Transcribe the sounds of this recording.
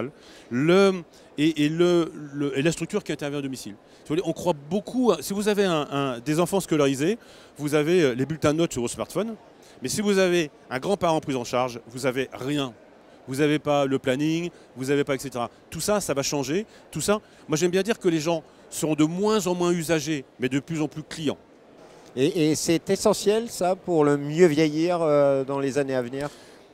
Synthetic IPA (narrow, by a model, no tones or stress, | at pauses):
llə | eʔːlələelast̪χyk̚t̪yʁkʲiɛ̃t̪ɛʁvjɛ̃ad̪ɔmisil | ssivuvuleɔ̃kχwabokʰuasivuzaveɛ̃ʔɛ̃d̪ezɑ̃fɑ̃skɔlaʁize | vuzavelebylt̪ɛ̃nɔt̪syʁvosmaʁt̪fɔn | mɛsivuzave | ɛ̃ɡʁɑ̃paʁɑ̃pχizɑ̃ʃaʁʒvuzaveʁjɛ̃ | vuzavepaləplaniŋ | vuzavepaɛkset̪eʁa | t̪usasavaʃɑ̃ʒe | t̪usa | mwaʒɛmbjɛ̃d̪iʁkəleʒɑ̃ | səʁɔ̃d̪əmwɛ̃zɑ̃mwɛ̃yzaʒemɛd̪əplyzɑ̃plyklijɑ̰̃ | eːsɛt̪ɛsɑ̃sjɛlsapuʁləmjøvjejiʁød̪ɑ̃lezaneavniːʁ